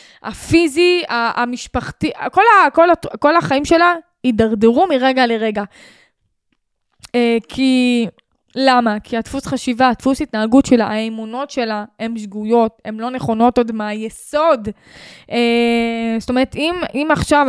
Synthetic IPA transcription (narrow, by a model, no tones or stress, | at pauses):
a̰fiziaːmiʃpaχtiko̞lakolatko̞laχaimʃe̞la | idaʁdeʁumiʁeɡaleʁe̞ɡa | ekʰi | lamakʰiatfusχaʃivaːtfusitnaaɡutʃe̞laaemuno̞tʃe̞lae̞mʃɡujo̞te̞mlo̞ne̞χo̞no̞todmajeso̞d | ʔest̪o̞me̞ʁetimimaχʃav